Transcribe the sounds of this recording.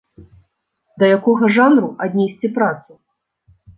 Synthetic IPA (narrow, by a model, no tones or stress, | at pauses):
d̪ɐjakɔɣɐʐanɾuʔad̪ʲnʲɛsʲt͡sʲipɾat̪su